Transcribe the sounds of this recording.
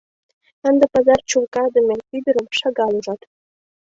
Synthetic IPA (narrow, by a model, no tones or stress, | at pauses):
ə̆nd̪ɤ̆pɑzɑrt͡ɕulkɑd̪ə̆mʲenʲkyd̪ə̆ɾə̆mʃɑɡɑlˠuʒɑt̪